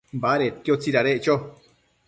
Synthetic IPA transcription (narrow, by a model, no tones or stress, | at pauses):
mbaɾekjot͡siɾaɾeʔt͡ʃo